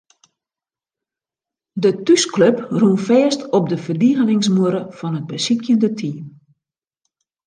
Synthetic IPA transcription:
dətyskløprunfɛːstɔp̚dəfərdiɣənɪŋsmuɾəfɔnəd̚bəsikjəndətʰiːm

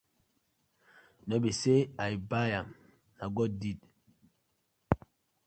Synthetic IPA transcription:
nɔbeseaibajam | naɡɔdit

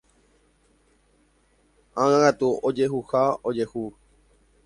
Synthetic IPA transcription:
ãŋãkat̪uod͡ʒeɦuhaod͡ʒehu

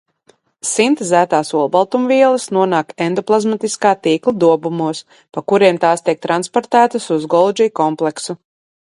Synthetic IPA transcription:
sint̪zæːt̪aːsuɔlˠbalˠt̪umviɛlˠɐsnuɔnaːkɛnd̪ɔplˠazmat̪iskaːt̪iːklˠad̪uɔbumuɔs | pakuɾiɛmt̪aːst̪iɛk̚t̪ɾanspɔɾt̪æːt̪asuzɡɔlˠd͡ʒijkɔmplˠɛksu

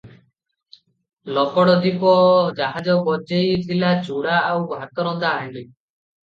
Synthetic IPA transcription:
lɔkɔɽɔd̪ipɔd͡ʒaɦad͡ʒɔbɔd͡ʒejt̪ʰilat͡ʃuɽaawbʱat̪ɔɾɔd̪aːeɳɖi

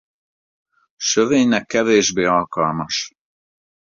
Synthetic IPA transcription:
ʃøveːɲnɛkːɛveːʒbeːɒlkɒlmɒʃ

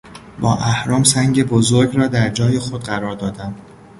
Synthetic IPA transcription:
bɒːʔæhɾɒːmsæŋɟe̞bozoɾɡɾɒːd̪æɾd͡ʒɒːje̞xod̪ɢæɾɒːɾd̪ɒːd̪æm

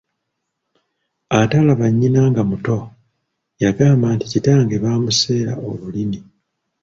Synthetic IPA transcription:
atalaβaɲːinaːŋɡamuto̞ | jaɡaːmbaːnticitaːŋɡe̞βaːmuse̞ːɾa̰oβulini

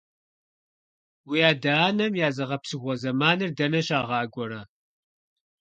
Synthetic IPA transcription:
wijaːdaːnɐmjaːzɐʁɐpsɨɣʷɔzɐmaːnɨrdɐnɐɕaːʁɑːɡʷɔɾaː

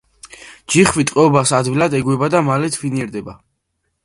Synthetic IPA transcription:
d͡ʒiχvit̪ʼqʼɛɔbasad̪vilˠad̪ɛɡwɛbad̪amalɛt̪ʰviniɛɾd̪ɛba

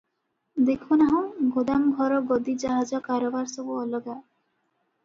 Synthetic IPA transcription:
d̪ekʰunaɦɔ̃ɡʱod̪amɡʱɔɾɔɡɔd̪id͡ʒaɦad͡ʒɔkaɾɔbaɾsɔbuɔlɔɡa

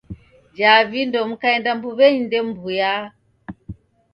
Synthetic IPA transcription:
d͡ʒavindɔm̩kaɛndambuβɛɲindɛmbuja

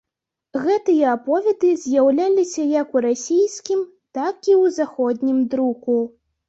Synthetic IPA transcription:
ɣɛt̪ɨjɐapɔvʲɛd̪ɨzʲjawlʲalʲisʲɐjɐkuɾasʲijskʲim | t̪akiwzaxɔd̪ʲnʲimd̪ɾuku

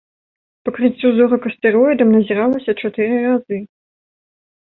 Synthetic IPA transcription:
pɐkɾɨt͡sʲːuzɔɾɐkɐst̪ɛɾɔjd̪ɐmnɐzʲɛɾalˠɐsʲɐt͡ʂat̪ɨɾɨrazɨ

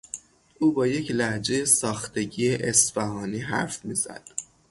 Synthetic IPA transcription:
ʔuːbɒːje̞cʰlæhd͡ʒe̞jesɒːxt̪ʰe̞ɟiːeʔesbæɦɒːniːɦæ̰ɾfmiːzæ̰d̪̥

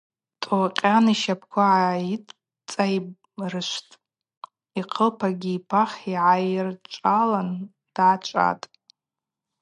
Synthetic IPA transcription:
tʼoqʲʼaniʃapʰkʷʰaʕaitʼ | t͡sʼajb | rɨʃʷtʼ | iqʰəlpʰaɡʲiːpʰaχiʕajrt͡ʃʷʼalan | d̥ʕat͡ʃʷʼa̰tʼ

